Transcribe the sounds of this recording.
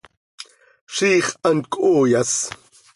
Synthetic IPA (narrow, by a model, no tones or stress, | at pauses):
ʂiːχankʼoːjas